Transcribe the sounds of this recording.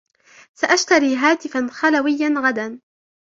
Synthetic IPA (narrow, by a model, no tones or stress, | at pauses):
saʔaʃt̪aɾiːɦaːt̪ɪfanxalawɪjːanɣad̪an